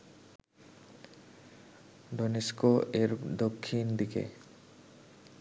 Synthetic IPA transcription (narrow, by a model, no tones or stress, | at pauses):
ɖoneskoeɾd̪okʰːind̪ikḛ